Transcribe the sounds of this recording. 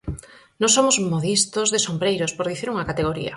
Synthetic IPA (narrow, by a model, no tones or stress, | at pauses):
nõsomʊzmoðist̪ozðesombɾejɾospoɾðiθiɾuŋɐkat̪eɣ̞oɾḭɐ̰